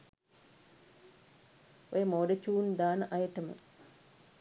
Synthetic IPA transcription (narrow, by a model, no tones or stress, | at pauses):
ojəmoːɖət͡ʃuːnd̪aːnəʔajəʈəmə̰